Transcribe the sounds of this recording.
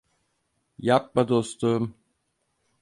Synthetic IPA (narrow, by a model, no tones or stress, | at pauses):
jap̚mad̪ost̪um